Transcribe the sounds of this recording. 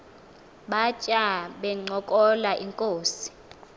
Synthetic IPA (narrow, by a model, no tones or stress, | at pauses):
ɓat͡ʃʼaɓɛŋ͡ǀɔkʼɔlaʔiŋkʼoːsi̥